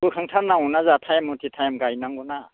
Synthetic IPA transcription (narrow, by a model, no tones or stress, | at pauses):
bɯkʰaŋtʰaɾnaŋɔnazatʰajamːɔtʰitʰajamɡajnaŋɡɔna